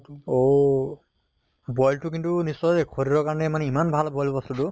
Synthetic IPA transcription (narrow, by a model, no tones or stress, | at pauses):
o | bɔjltʊkintunisːɔjkʰoɹiɹɔkaɹɔnɛmanɛimanbʱalbɔjlbɔstutʊ